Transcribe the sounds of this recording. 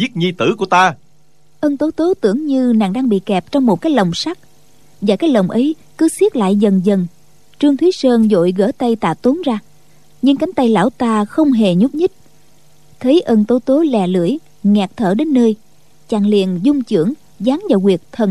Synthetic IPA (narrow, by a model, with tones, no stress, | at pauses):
zi˦˥t̚ɲi˧t̪ɨ̰˧˩ku˧˩ət̪aː˧ | ʔəː˧nt̪o˨˦t̪o˨˦t̪ɨ̰˧˩əŋɲɨ˧na̰ː˨˩ŋɗaː˧ŋɓḭ˧˨kɛ˨˩p̚t͡ɕɔ˧wŋ͡mmo˨˩t̚kaː˨˦jlə˨˩wŋ͡msa˦˥k̚ | vaː˨˩kaː˦˥jk̚lə˨˩wŋ͡mʔə˨˦j | kɨ˨˦swi˦˥ət̚la̰ː˧˨jzə˨˩nzə˨˩n | t͡ɕɨ˧əŋt̪ʰwi˨˦səː˧nzo̰˧˨jɣə̰ː˧˥˩t̪a˧jt̪a̰ː˧˨t̪o˨˦nzaː˧ | ɲɨ˧ŋka˨˦ŋ̟t̪a˧jla̰ː˧˥˩wt̪aː˧xə˧wŋ͡mɦe˨˩ɲu˦˥p̚ɲɨ˦˥t̚ | t̪ʰə˨˦jʔə˧nt̪o˧˦t̪o˨˦lɛ˨˩lɨ̰˧˩əj | ŋɛ˨˩k̚t̪ʰəː˧˩ɗe˨˦nːəː˧j | t͡ɕaː˧˩ŋlḭ˧˨ənzʊ˧ŋ͡mt͡ɕɨ˧˩˥əŋ | zaː˨˦ŋvaː˨˩wɣwi˨˩ək̚t̪ʰə˨˩n